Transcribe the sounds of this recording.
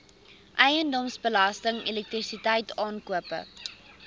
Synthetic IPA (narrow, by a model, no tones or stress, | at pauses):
ʔɛjəndɔmsbəlɐstəŋelɛk̚trisitɛjtʰɑːnkuəpə̰